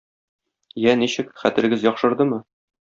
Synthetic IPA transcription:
jæniɕɘkχæt̪ɘ̆ɾɘ̆ɡɘzjɒqʃɤ̆ɾd̪ɤmɤ

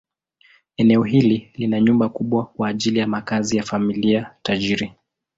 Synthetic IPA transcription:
ɛnɛɔɦililinaɲumbakuɓwakwaːʄilijamakazijafamiliataʄiɾi

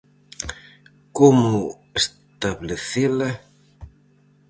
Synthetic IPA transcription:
komʊ | es | t̪aβleθelɐ

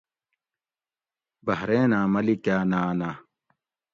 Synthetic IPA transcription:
bɐɦɾeːnaːmɐlikjaːnaːnaː

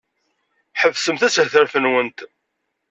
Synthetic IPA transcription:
ħəvsəmθæsθəɾθənwənt̪

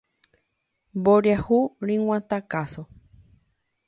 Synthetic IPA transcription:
mboɾjahuɾĩŋw̃ʷãt̪akaso

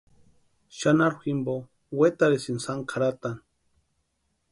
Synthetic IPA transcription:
ʃanaɾximbo | wet̪aɾesinsaŋkʰaɾat̪an

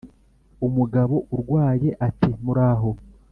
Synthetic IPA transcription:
umuɡaβo̞ʔuɾɡwaːje̞ʔatimuɾaːɦo̞

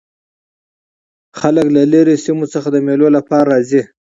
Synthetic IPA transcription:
xaləklaleɾesimot͡səxad̪əmelolapɑɾɾɑzi

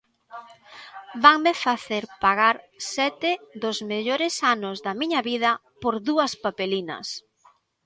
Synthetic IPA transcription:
baŋmɪfaθeɾpaɣaɾ | sɛt̪ɪðozmeʎoɾɪsanʊzðɐmĩɲɐβið̞ɐ | poɾðuɐspapelinɐ̰s

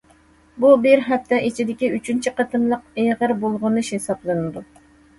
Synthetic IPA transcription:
bubɪɾɦɛpt̪ʰɛʔit͡ʃʰid̪ɪkʲiyt͡ʃʰynt͡ʃʰiqɑt̪ʰɨmlˠəq̚eʁəɾbolˠʁʊnɨʃhesɑplˠɨnɨd̪u

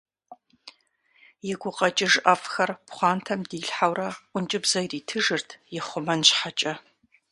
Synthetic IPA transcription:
jɪɡʷʊqʼɐt͡ʃʼɪʒʔɐfxɐrpχʷɑːntʰɐmdiːɬħawrɐʔʷʊnt͡ʃʼɪbzɐjriːtʰɨʒɨrtʰjɪχʷʊmɐnɕħat͡ʃʼɐ

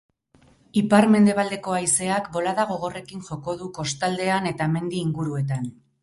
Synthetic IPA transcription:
ipaɾme̞nd̪e̞β̞ald̪e̞ko̞ajse̞akbo̞laðaɣ̞o̞ɣo̞re̞kinʝo̞ko̞ðuko̞st̪ald̪e̞ane̞t̪ame̞nd̪iːŋɡuɾue̞t̪an

